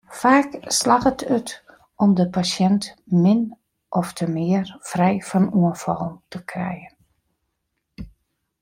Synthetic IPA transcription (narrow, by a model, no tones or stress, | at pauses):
faːkslaxətʰyt | ʔɔmdəpasjɛntmɪn | ʔɔftʰəmɪərfrɛjfɔnuənfɔlˠntʰəkrɛ̰jən